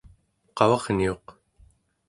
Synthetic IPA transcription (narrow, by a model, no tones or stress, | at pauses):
qɑvɑʁnio̞q